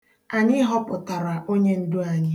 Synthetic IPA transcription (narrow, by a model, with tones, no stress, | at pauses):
a˨ɲi˦ɦɔ˦pʊ˨ta˨ɾa˨ʔo˦ɲe˦n̩˦dʊ˦a˨ɲɪ˦